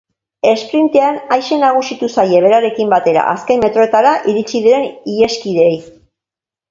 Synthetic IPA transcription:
e̞spɾint̪eanajʃe̞naɣ̞usit̪usaje̞β̞e̞ɾaɾe̞kimbat̪e̞ɾa̰ʔaske̞nme̞t̪ɾo̞e̞t̪aɾaʔiɾit͡ʃiðiɾe̞nie̞skiðe̞j

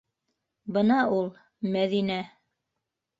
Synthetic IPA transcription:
bɤnɑulˠ | mæðinæ

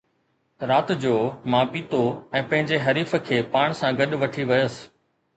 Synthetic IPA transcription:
ɾaːt̪d͡ʑoːmãːpiːt̪oɛ̃ːpɐ̃ɦɪ̃ɲd͡ʑeɦɐɾiːfə̆kʰeːpaːɽ̃sãɡɐɗʋɐʈʰiʋɐjəs

